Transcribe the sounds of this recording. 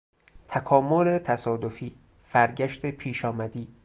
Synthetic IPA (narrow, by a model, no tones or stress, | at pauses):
t̪ʰækʰɒːmolet̪ʰæsɒːd̪o̞fiː | fæɾɟæʃt̪ʰepʰiːʃɒːmæd̪iː